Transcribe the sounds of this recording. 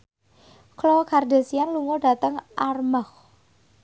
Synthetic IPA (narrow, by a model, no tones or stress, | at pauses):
klɔkʰardesianluŋɔɖ̥a̤t̪əŋʔarmax